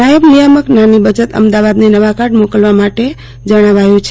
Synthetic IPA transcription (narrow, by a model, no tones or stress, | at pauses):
ajəbnijəməknanibəd͡ʒət̪ə̰md̪aʋad̪nenəʋakaɾɖmokəlʋamaʈe | d͡ʒəɽ̃aʋajũt͡ʃʰ